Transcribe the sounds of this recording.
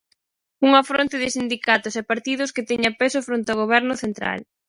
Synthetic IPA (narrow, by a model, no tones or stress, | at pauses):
uŋafɾont̪ɪðɪsind̪ikat̪ʊsɛpaɾt̪iðʊskɪt̪ɛɲapesʊfɾont̪oɣ̞oβɛɾnʊθent̪ɾa̰l